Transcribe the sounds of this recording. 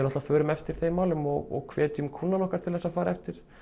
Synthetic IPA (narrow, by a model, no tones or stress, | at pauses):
nɔht̪lafœːɾʏmɛft̪ɪɾ̥θejmaːwlʏmɔ̰ɣɔ̰ɣkʰvɛːt̪jʏmkʰuːnːanɔhkaɾ̥t̪ʰɪlθɛsafaːɾaɛft̪ɪɾ̥